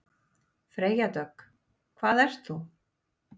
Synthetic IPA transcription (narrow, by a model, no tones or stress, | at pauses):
fɾeːjat̪œk | kʰvaːðɛr̥st̪θu